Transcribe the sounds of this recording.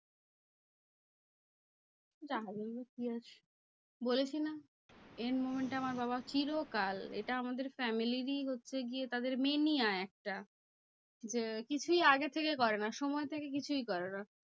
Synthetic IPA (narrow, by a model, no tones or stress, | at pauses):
d͡ʑaɦabolbekiat͡ɕʰ | bolet͡ɕʰina | enmomeɳʈaamaɾbaβat͡ɕiɾokalḛʈaamad̪eɾfɛmiliɾiɦotːɕʰeɡiet̪ad̪eɾmenijaɛk̚ʈa | d͡ʑekit͡ɕʰujaɡet̪ʰekekɔɾenaʃɔmɔet̪ʰekek̬it͡ɕʰujkɔɾena